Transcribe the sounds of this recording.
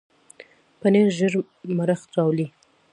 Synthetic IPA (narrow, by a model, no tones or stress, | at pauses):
paneɾʒəɾ | maɾəxt͡sɑwli